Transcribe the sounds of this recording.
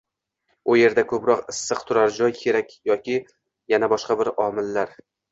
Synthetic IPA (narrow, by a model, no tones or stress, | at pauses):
ʊje̞ɾd̪akʰɵpɾɒqɪsːɨqt̪ʰʊɾaɾd͡ʒɒjkʲʰe̞ɾakʲjɒkʲʰɪ | janabɒʃqɑbɪɾɒmɪlːaɾ